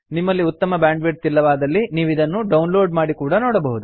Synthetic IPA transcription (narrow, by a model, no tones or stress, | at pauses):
nimːɐlːiut̪ːɐmɐbjaːɳɖʋeʈ̚t̪ilːɐʋaːd̪ɐlːiniːʋid̪ɐnːuɖɐwnloːɖmaːɽikuːɽɐnoːɽɐbɐɦud̪u